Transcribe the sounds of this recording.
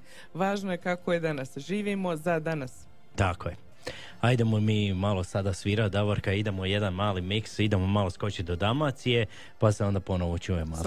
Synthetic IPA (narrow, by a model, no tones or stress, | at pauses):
ʋaːʒnojekakojed̪anasʒiːʋimozad̪anas | t̪akoje̞ | aid̪e̞momiːmalˠo̞sad̪asʋiːɾad̪aʋoɾkaid̪e̞mo̞je̞d̪anmaːlimiksid̪e̞momalo̞sko̞t͡ɕid̪o̞d̪amat̪sije̞ | paseo̞nd̪apo̞no̞ʋot͡ʃuːje̞mo